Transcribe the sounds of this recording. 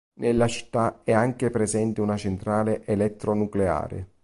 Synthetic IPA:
nʔelːat͡ʃi̥t̪ːaɛaŋk̟epɾezɛnt̪ɪunat͡ʃent̪ɾaːleʔelɛt̪ːɾonuklea̰ːɾḛ

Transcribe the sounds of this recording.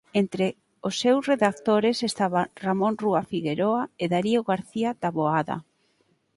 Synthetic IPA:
ent̪ɾe | osːewsreðak̚t̪oɾesest̪aβaramõnruafiɣeɾoaeðaɾioɣaɾθiad̪aβoaða̰

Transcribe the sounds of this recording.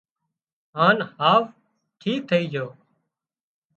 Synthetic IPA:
ɦaːnhaːʋ | ʈʰiːk̚t̪ʰəiːd͡ʒʱoː

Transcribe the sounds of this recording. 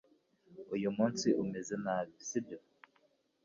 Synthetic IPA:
ujumuːnsiʔumezenaβisibjo

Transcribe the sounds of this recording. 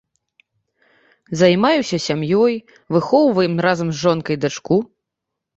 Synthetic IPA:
zɐjmajusʲɐsʲamjɔj | vɨxɔwvɐjɛmɾazɐmzʐɔnkɐjd̪at͡ʂku

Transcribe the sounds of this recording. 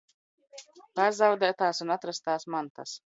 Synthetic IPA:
pazawd̪ɛːt̪aːsunat̪ɾast̪aːsmant̪a̰s

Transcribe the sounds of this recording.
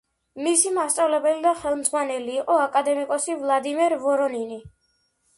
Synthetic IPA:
misimast̪sʼavlɛbɛlid̪aχɛlˠmd̪zʁwanɛliːqʼɔakʼad̪ɛmikʼɔsivlˠad̪imɛɾvɔɾɔnini

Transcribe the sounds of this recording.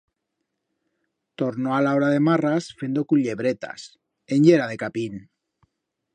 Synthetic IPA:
t̪oɾnoalaoɾaðe̞marasfend̪okuʎeβɾet̪a̰s | enʎeɾaðe̞kapin

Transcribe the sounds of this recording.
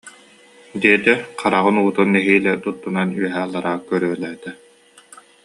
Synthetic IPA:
d̪iɛt̪ɛqʰaɾaʁɯnuːt̪unːɛɦiːlɛt̪ut̪ːunanyœɦæːlˠːaɾaːkœɾœɛlɛːt̪ɛ

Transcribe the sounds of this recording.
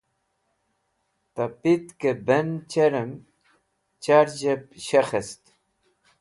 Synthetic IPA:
t̪apit̪kebent͡ɕeɾem | t͡ɕaɾd͡ʑep̚ɕexest̪

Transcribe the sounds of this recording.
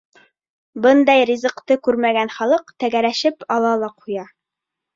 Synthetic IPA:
bɤnd̪ɑjɾʲizɤ̆qt̪ɤkʉɾmæɡænχɑlˠɤqt̪æɡæɾæʃɘpɑlˠɑlˠɑqujɑ

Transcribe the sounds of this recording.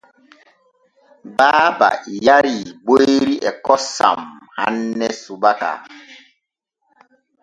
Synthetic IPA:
baːba̰jaɾiboeɾiʔɛkɔsa̰mha̰nːɛsubaka̰

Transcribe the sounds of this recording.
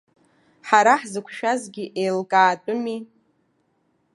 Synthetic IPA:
ħaɾaħzɨkʷʰʃᶣazɡʲiʔejlkʼaːtʼʊmi

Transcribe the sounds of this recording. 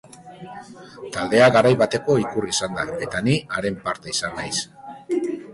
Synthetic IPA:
t̪ald̪e̞aɣaɾajβat̪e̞ko̞ikurisand̪ae̞t̪aniaɾe̞mpaɾt̪e̞isanːajs

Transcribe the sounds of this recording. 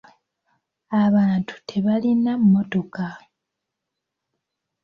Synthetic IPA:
aβaːntʰu̥tʰe̞βalinamːo̞to̞ka

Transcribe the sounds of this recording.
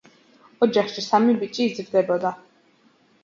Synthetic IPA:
ɔd͡ʒaχʃisamibit͡ʃʼiːzɾd̪ɛbɔd̪a

